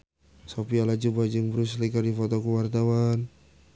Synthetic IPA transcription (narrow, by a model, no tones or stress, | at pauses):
sopialad͡ʒubad͡ʒəŋbəɾus̬likardifɔt̪ɔkəwart̪awan